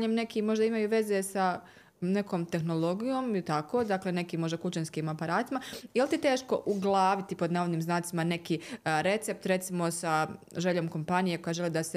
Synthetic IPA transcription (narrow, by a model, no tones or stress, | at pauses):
ɲemne̞kimo̞ʒd̪aimajuːʋe̞ze̞sa | ne̞koːmt̪e̞xno̞lˠo̞ɡijo̞ːmilt̪ako̞ːd̪akle̞ne̞kiːmːo̞ʒd̪akut͡ʃenskiːmapaɾaːt̪imajelt̪it̪e̞ːʃko̞ʔuɡlˠaːʋit̪ipo̞d̪naːʋod̪niːmznaːt̪imane̞kiːɾe̞t̪se̞p̚t̪ɾe̞t̪simo̞saʒe̞ʎo̞ːmko̞mpanije̞ko̞jaʒe̞lid̪ase